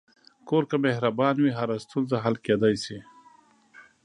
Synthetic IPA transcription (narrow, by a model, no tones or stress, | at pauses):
koɾkamehɾabɑnwiɦaɾast̪unzaɦalked̪ɑjsi